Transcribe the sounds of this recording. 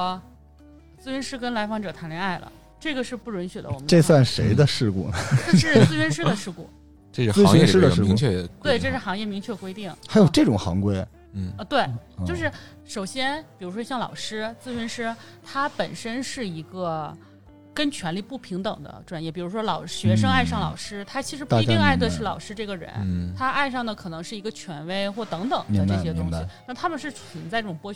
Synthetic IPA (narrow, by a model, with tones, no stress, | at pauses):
t͡sɹ̩˥˩ɥy˧˥nʂɻ̩˥kə˥nla˧˥ɪfɑ˧˥ŋʈ͡ʂɤ˨˩t̪ʰa˧˥nljɛ˧˥a˥˩ɪlə̰˩ | ʈ͡ʂɤ˥˩ɡə˩ʂɻ̩˥˧pu˥˩ɻwə˧˥nɕɥɛ˨˩d̪ə̰˦˧wɔ˨mə˦ʈ͡ʂe˥˧swa˥˩nʂe˧˥ɪd̪ə˧ʂɻ̩˥˧kṵ˥˩nə˩ʈ͡ʂʂɻ̩˥˩t͡swe˥˧ɪɥy˥nʂɻ̩˥d̪ə˨ʂɻ̩˥˧ku˥˩ | ʈ͡ʂ̩˥˧˥e˥˩˥ɻ̩˥ə˧ʂɻ̩˥˧˥ŋt͡ɕʰɛ˥˩we˥˩ɪʈ͡ʂɤ˥˧ʂɻ̩˥˩xɑ˧˥ŋjɛ˥˩mi˧˥ŋt͡ɕʰɥɛ˥˩kwe˥ɪt̪i˥˩ŋxa˧˥ɪjo˨˩ʊʈ͡ʂɤ˥˩ʈ͡ʂʊ˨˩ŋxɑ̰˧˥ŋkwe˥ɪ˩˧ | t̪we˥˩ɪt͡ɕjo˥˧ʊʂ̬ɻ̩˥˩ | ʂo˨˩ʊɕjɛ˥npi˨˩ɻu˧˥ʂwɔ˥ɕjɑ˥˩ŋlɑ̰˨˩ʊʂɻ̩˥t͡sɹ̩˥˩y˧˥nʂɻ̩˥ | t̪ʰa˥pə˨˩nʂə˥nʂɻ̩˥˩i˧˥ɡə˧ | kə˥nt͡ɕʰɥɛ˧˥nli˥˧pu˥˩pʰi˧˥ŋt̪ɤ˨˩ŋd̪ə̰˦ʈ͡ʂwa˥˩njɛ˥˩pi˨˩ɻu˧˥ʂwɔ˥lɑ˨˩ʊɕɥɛ˧˥ʂɤ˥ŋa˥˧ɪʂɑ˥˩ŋlɑ˨˩ʊʂɻ̩˥t̪ʰa˥t͡ɕʰi˧˥ʂɻ̩˧˥pa˧i˧˥˧ŋa˥˧ɪd̪ə˧ʂɻ̩˥˩lɑ˨˩ʊʂɻ̩˥ʈ͡ʂɤ˥˩ɡə˩ɻə̰˧˥nt̪ʰa˥ʔa˥˧ɪʂɑ˥˩ŋd̪ə˩kʰɤ˨˩nɤ˧˥ŋʂɻ̩˥˩i˧˥ɡə˧t͡ɕʰɥɛ˧˥nwe˥˧ɪxwɔ˥˩t̪ɤ˧˥ŋt̪ɤ˨˩ŋd̪ə˦˧ʈ͡ʂɤ˥˩ɕjɛ˥t̪ʊ˥ŋɕi˨˩na˥˩t̪ʰa˥mə˨nʂɻ̩˥˩t͡sə˨˧˩nt͡sa˥˧ʈ͡ʂɤ˥˩ʈ͡ʂʊ˨˩pwɔ˥